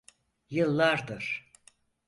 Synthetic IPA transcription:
jɯlˠːaɾd̪ɯɾ̥

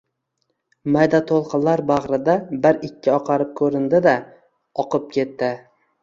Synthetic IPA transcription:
majd̪at̪ʰolˠqɨnlaɾbaʁɾɪd̪abɪɾɪkʲʰːɪɒqʰɑɾɪp̚kʰɵɾɪnd̪ɪd̪a | ɒqʰɨp̚kʲʰe̞t̪ːɪ

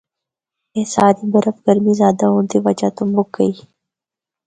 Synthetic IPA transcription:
eːsaːɾiːbɐɾəfɡəɾmiːzjaːd̪aɦõːnt̪iʋɐt͡ʃaːt̪ʊmbʊk̚ɡəiː

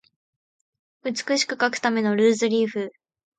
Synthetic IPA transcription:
ɯ̟t͡sɨ̥kɯ̟ɕi̥kɯ̟kakɯ̟̥t̪ame̞no̞ɾɯːzɨɾʲiːɸɯ̟

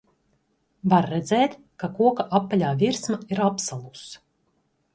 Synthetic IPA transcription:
vaɾːɛd̪zɛːt̪ | kakuɔkaʔapːalʲaːvʲiɾsmaiɾapsalˠus

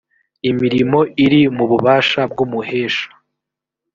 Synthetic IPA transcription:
imiɾimo̞ʔiɾimuβuβaːʃab̚ɡumuheːʃḁ

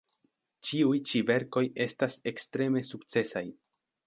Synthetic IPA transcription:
t͡ʃiujt͡ʃive̞ɾko̞je̞stase̞kstɾe̞me̞suk̚t͡se̞saj

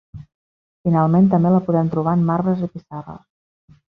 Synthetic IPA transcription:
finalˠment̪əmbeləpuðɛmt̪ɾuβ̞aəmːaɾβəzipisarə̰s

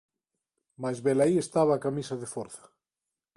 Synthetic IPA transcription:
mazβelaiest̪aβaːkamisaðefoɾθḁ

